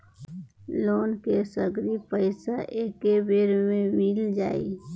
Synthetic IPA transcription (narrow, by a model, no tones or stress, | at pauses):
loːnkesəɡɾipəɪsaʔeːkebeːɾmẽmild͡ʒaːḭ